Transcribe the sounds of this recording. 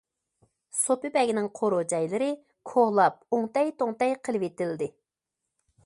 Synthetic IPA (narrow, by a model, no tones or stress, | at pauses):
sopɨbɛɡʲinɪŋqʰoɾod͡ʒɛjlɨɾɪ | kʰohlˠɑp̚uŋt̪ɛjt̪ʰoŋt̪ɛjqʰəlˠɨpet̪ɪld̪ɪ